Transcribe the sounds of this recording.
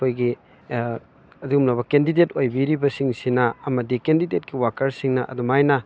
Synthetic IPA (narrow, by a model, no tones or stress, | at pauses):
ojɡi | ɐdiɡumlɐbɐkendidetojbiɾibɐsiŋsinɐɐmɐdikendidet̚kiwakɐɾsiŋnɐʔɐ̰dumajnɐ